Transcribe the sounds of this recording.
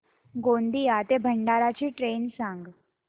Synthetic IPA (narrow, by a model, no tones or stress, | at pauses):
ɡond̪ijat̪ebʱəɳɖaɾat͡ɕiːʈɾensãŋɡ